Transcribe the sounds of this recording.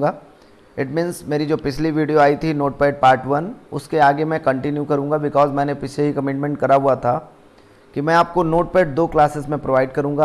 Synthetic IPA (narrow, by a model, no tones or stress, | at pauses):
ɡaː | ɪʈmĩːnzmeːɾid͡ʒoːpɪt͡ʃʰliʋiːɖijoaːit̪ʰinoːʈ̚peːʈ̚paːɾʈʋɐnʊ̰skeaːɡemɛ̃kɐ̃ɳʈɪnjukɐɾũːŋɡabɪkɔːzmɛ̃ːnepɪt͡ʃʰeɦikɐmɪʈmɛ̃ɳʈ̚kɐɾaɦuat̪ʰa | kimɛ̃aːp̚konoːʈ̚peːʈ̚d̪oːklaːsɪzmẽpɾoʋaːɪɖkɐɾũːŋɡaː